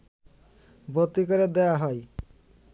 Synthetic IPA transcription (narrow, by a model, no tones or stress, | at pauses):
bot̪ːikaɾed̪ɛaɦɔj